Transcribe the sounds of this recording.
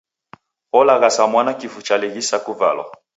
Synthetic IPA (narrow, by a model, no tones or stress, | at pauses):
ɔlaɣasamwanakifut͡ʃaliɣisakuva̰lɔ̰